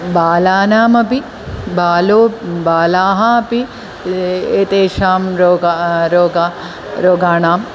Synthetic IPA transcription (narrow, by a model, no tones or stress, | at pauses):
baːlaːnaːmɐpi | baːloːbaːlaːɦɐɐpi | eːt̪eːʃaːmɾoɡaɾoːɡa | ɾoːɡaːɳaːm